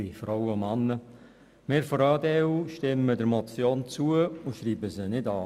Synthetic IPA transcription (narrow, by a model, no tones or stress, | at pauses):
ifɾɔwəʊmɑnːə | mɪːɾfɔɾɑːdɛuʃtɪmːədəɾmɔt͡sjoːnt͡suəʊʃriːbəsənɪdɑː